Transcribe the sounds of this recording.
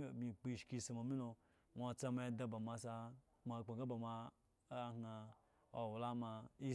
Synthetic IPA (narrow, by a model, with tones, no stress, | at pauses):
mʲi˧˨k͡pi˦˧˨ʃki˧sa˨ma˨mi˦lo˧ | ŋʷa˧t͡sa˧ma˧i˧da˧ba˨ma˧sa˧ | ma˧˨k͡pa˨ɡa˦ba˨ma˧˦ | ŋa˧ | o˨wu˨la˦ma˧i˦